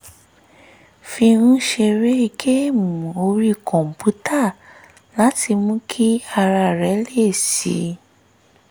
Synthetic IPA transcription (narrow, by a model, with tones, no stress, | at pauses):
fĩ˧ɾ̃ũ˦ʃe˧ɾe˦˧ɡe˦mũ˨o˧ɾi˦kʰɔ̃˨m̩˨pu˨˦tʰa˦˨ | la˨˦tʰi˧mũ˦kʰi˦a˧ɾa˧˨ɾɛ˨˦le˦˨sḭ˨˦